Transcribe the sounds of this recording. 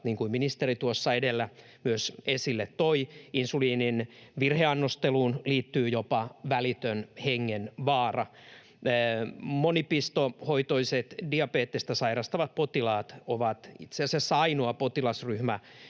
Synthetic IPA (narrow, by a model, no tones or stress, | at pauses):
t̪niːŋkuiminist̪erit̪uosːɑedelːæ | myøsesilːet̪toiinsuliːninʋirheɑnːost̪eluːnliːt̪ːyːjopɑʋælit̪ønheŋːenʋɑːrɑː | monipist̪ohoit̪oiset̪diɑpeːt̪ːest̪ɑsɑirɑst̪ɑʋɑt̪̚pot̪ilɑːt̪oʋɑt̪ḭt̪seɑsesɑinoɑpot̪ilɑsryhmæ